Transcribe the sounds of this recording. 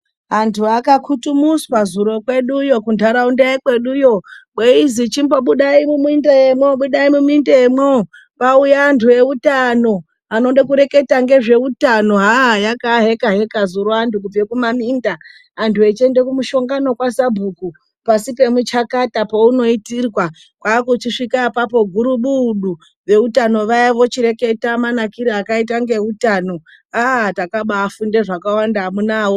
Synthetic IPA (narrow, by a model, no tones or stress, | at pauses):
ɦantʰuakakʰutumuspazuɾo̞kwe̞ɗujo̞kundʱaɾaundaekwe̞ɗujo̞ɓweizit͡ʃimboɓuɗaimumindejemwoɓuɗaimumindeemwo | paujaːntʰue̞utano̞ | ano̞ɗekuɾe̞ke̞taŋɡe̞ʐe̞utano̞ɦaɦjakaɦe̞kaɦe̞kazuɾoantukub͡vekumamindaː | ntʰuet͡ʃe̞nde̞kumuʃo̞ŋɡano̞kwasabʱuku | pasipe̞mut͡ʃakatapouno̞itirwa | kwaːkut͡ʃiʂikapapo̞ɡʱuɾuɓuːɗu | ʋe̞utano̞ʋajaʋo̞t͡ʃiɾe̞ke̞tamanakiɾiakait̬aŋɡe̞utano̞ | atakaɓaːfunde̞ʐakawandamunaːwo